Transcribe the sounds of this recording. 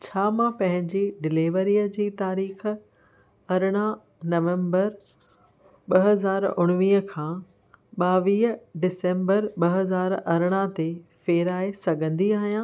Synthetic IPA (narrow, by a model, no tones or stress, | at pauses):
t͡ɕʰaːmãpɐ̃ɦɪ̃ɲd͡ʑiɖɪliːʋəɾiːəd͡ʑiːt̪aːɾiːx̆ | ɐɾɽ̃a | nɐʋẽːmbəɾ | ɓɐɦɐzaːɾʊ̰ɽ̃ʋiːɦə̆kʰãː | ɓaːʋiːɦəɖɪsẽːmbəɾɓɐɦɐzaːɾɐɾɽ̃at̪efeːɾaːesɐɡʱə̃nd̪iaːɦijãː